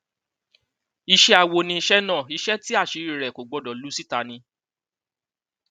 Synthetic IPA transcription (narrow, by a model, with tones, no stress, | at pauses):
i˧ʃɛ˧a˨wo˧nĩ˧i˧ʃɛ˦nãː˦˨i˧ʃɛ˦ti˦a˦˨ʃi˨˧˦ɾi˨ɾɛ˨ko˨ɡ͡bɔ˧dɔ˨lu˨˦si˦ta˨˧nĩ˧